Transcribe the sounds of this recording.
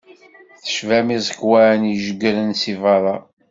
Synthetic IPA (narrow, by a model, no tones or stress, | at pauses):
θə̥ʃvæmizˤəkwænjəʒəɡəɾənsivɑɾˤɑ